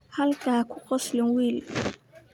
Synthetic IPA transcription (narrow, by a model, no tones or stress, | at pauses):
hɐlkʰaːkʰʊqɔslɪŋwiːl